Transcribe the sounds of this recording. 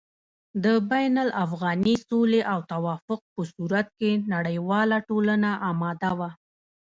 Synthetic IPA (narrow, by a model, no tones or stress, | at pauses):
d̪əbajnalʔafɣɑnisoleʔawt̪awɑfʊq̚pəsuɾat̪̚kenaɽəjwɑlaʈolanaʔɑmɑd̪awa